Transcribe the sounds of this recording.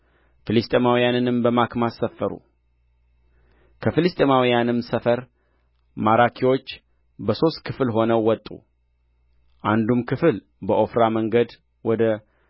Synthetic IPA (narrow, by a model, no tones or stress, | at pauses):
fɨlɨst̪ʼemawijanɨnɨmbəmakmasːəfːəɾṵ | kʰəfɨlɨst̪ʼemawijanɨmsəfəɾ | maɾakʰiwo̞t͡ʃː | bəso̞st̪̚kʰɨfɨlɦo̞nəwːɔt̪ʼṵ | ʔand̪umkʰɨfɨl | bəʔo̞fɾaməŋɡəd̪ | wɔd̪ə